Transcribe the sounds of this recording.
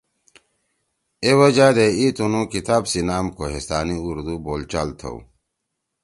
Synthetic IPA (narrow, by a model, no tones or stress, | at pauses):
ewɐd͡ʑaːd̪eit̪unũkit̪aːbsinaːmkoɦest̪aːniuɾd̪uboːlt͡ɕalt̪ʰo̰w̰